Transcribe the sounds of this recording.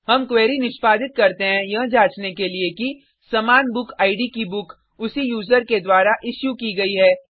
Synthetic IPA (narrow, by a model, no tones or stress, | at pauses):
hɐmkweːɾinɪʃpaːd̪ɪt̪̚kɐɾt̪eɦɛ̃jɐ̃ɦd͡ʒaːt͡ʃnekelieki | sɐmaːnbʊkʰaːɪɖikibʊk | ʊsijuːzəɾked̪waːɾaʔɪʃjukiɡɐiɦɛː